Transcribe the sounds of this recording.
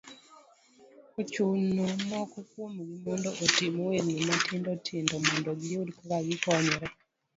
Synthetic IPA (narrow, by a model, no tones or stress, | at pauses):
kot͡ʃunumɔkukwomɡimɔndoʔotimoweɾnimotʰindotʰɪndɔmɔndɔɡɪodkakaɡikɔɲɔɾɛ